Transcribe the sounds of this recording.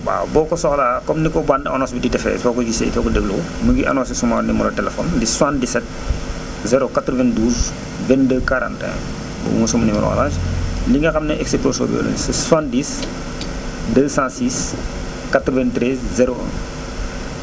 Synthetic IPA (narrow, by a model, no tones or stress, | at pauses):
ba̰bɔːkɔsɔxlaːkɔmnikɔbandɐnɔsbiditɛfɛ̰ːsɔkɔd͡ʒisḛtɔkɔdebluku | məɡiʔɐ̰nɔːsisumanimuɾɐtɛlɛfɔ̰ːndiswãndisɛt̚ | zɛɾokat̪ɾɔvɛnduːz | vɛndəkaɾã̰ːntɛ̰̃ | bṵṵŋəsɔmɐnimɾɔ̰ɐ̰laːʃliŋɡɐxɐmnɛʔɛksiposo̰ːb̰o̰ːlə̰nsɛswãndiːs | dəːsãsiːs | kat̪ɾɔvɛntɾɛzzɛɾoʔə̰̃